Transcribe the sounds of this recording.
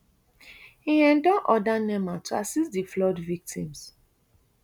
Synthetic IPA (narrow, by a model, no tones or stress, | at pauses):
hiɛ̃ndɔʔɔdanɛmatʰuasistdiflɔdvik̚tʰḭ̃ms